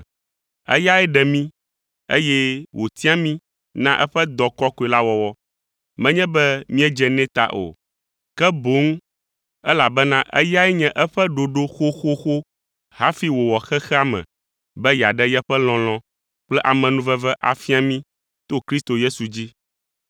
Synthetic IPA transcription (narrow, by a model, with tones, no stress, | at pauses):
ɛ̰˦ja˦ɛ˦ɖɛ˨mĩ˦ | ḛ˦jɛ˦wʔo˨t̪i˦a˦mĩ˦ | nã˦ʔɛ˦ɸɛ˦d̪ɔ˨kɔ˦ko˨e˨la˦wɔ˨wɔ˦ | mɛ̃˦ɲɛ̃˦bɛ˦mĩ˦ɛ˦d͡ʒɛ˨nɛ̃˦t̪a̰˦ʔo̰˨ | kɛ˦bo˨˦ŋ˦ | ɛ˦la˨bɛ˦nã˦ʔɛ̰˦ja˦ɛ˦ɲɛ̃˦ʔɛ˦ɸɛ˦ɖo˨ɖo˦xo˦xo˦xo˦ | ɦa˦fi˦wo˨wɔ˨xɛ˦xɛ˦a˦mɛ̰̃˨ | bɛ˦ja˨ɖɛ˦jɛ˦ɸɛ˦l̃ɔ̃˨l̃ɔ̃˨ | k͡plɛ˦ʔa˨mɛ̃˨nũ˦vɛ˦vɛ˦ʔa˨fi˦a˨mĩ˦ | t̪o˦kɾi˦st̪o˨je˦su˨d͡ʑi˦